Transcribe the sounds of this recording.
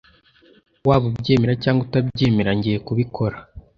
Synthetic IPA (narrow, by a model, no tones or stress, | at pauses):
waːβubɟe̞ːmeɾacaːŋɡutabɟeːmeɾaɲɟijekuβikʰo̞ɾa